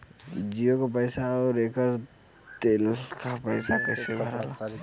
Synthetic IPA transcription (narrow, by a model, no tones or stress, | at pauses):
d͡ʒijokapəɪsaɔɾekəɾ | t̪elkapəɪsakəsebʱəɾa̰la